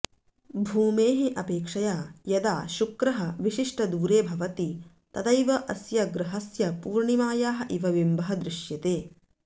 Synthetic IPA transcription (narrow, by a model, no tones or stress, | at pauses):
bʱuːmeːɦeʔɐpeːkʂɐjaːjɐd̪aːʃukɾɐɦɐʋiʃiʂʈɐd̪uːɾeːbʱɐʋɐt̪i | t̪ɐd̪ɐjʋɐʔɐsjɐɡɾɐɦɐsjɐpuːɾɳimaːjaːɦɐʔiʋɐʋimbɐɦɐd̪ɾɪʃjɐt̪eː